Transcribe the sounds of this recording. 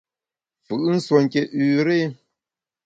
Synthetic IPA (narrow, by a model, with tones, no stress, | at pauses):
fɯ˨ʔn̩˦swo˨ŋ̩˨kɛ˨ʉ˨ɾe˦